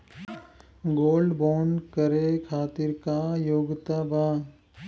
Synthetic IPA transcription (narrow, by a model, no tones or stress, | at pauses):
ɡoːlɖboːnkəɾekʰaːt̪ɪɾkajoːɡt̪abaː